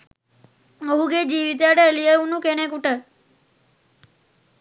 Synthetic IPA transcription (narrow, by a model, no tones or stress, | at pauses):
əɦuɡed͡ʒiʋit̪̬aɽeəlieunũkeñekuʈə